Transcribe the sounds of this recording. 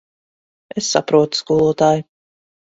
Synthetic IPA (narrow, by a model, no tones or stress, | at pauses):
esːa̰pɾuɔt̪u̥skuːlˠuɔt̪aːju